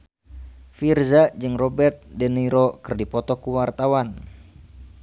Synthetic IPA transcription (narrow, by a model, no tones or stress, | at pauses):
firzaʔd͡ʒɨŋrɔbɛrt̪̚dɛniɾɔkərdipɔt̪ɔkuwart̪awan